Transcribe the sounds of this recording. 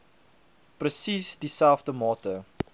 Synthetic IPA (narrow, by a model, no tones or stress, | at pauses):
prəsisdisælˠfdəmɑːtə